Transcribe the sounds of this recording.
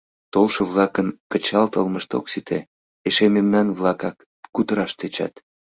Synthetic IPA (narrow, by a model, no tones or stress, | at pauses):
t̪olʃəβlɑkənkət͡ɕɑlt̪əlməʃt̪o̰ksit̪ʰe | eʃememnɑnβlɑkɑkː | ut̪əɾɑʃt̪et͡ɕɑ̰t̪